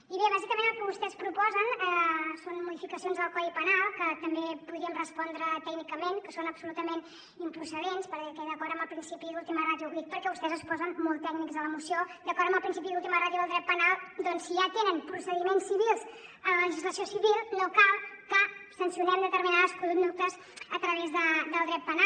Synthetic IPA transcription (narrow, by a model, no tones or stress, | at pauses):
iβeβazikəmẽnəlˠkəβust̪ɛspɾupɔzənɛsonmuðifikəsionzðəlˠkɔðipənalˠkət̪əmbepuðɾiəmrəspɔnd̪ɾət̪ɛɡnikəmenkəsonəbsulut̪əmen | impɾusəðenspəɾkɛðəkɔɾəmbəlˠpɾinsipiðulˠt̪iməraðjuɣit̪̚pəɾkɛβust̪ɛzəspɔzənmolˠt̪ɛɡnikzələmusiod̪əkɔɾəmbəlˠpɾinsipiðulˠt̪iməraðjuðəlˠd̪ɾɛt̪̚pənalˠd̪ɔnsiʒat̪enəmpɾusəðimensːiβilˠzələləʒizləsiosiβilˠnokalˠkəsənsiunɛmd̪ət̪əɾminaðəspulud̪uk̚t̪əz | ət̪ɾəβezðəd̪əlˠd̪ɾɛt̪̚pəna